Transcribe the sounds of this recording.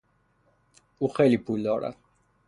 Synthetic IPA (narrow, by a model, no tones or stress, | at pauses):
uχɛlipulɔɾa̰